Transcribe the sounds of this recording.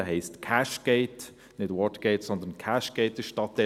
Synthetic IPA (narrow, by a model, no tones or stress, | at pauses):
ɦɛɪstkʰaʃɡ̥eɪt | nɪdwɔtɡ̥eɪtsɔnd̪ənkʰaʃɡ̥eɪtɪʃtɑtɛ